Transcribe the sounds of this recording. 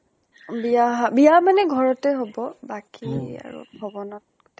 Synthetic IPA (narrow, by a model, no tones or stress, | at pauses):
bijaɦbijamanɛɡʱɔɹɔtɛɦobɔbakia̰ɹṵbʱɔbɔnɔt